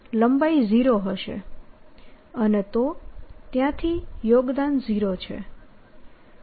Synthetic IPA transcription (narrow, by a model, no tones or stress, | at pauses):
ləmbaiziɾoɦəʃḛ | ənet̪ot̪jãt̪ʰijoɡd̪anziɾot͡ʃʰḛ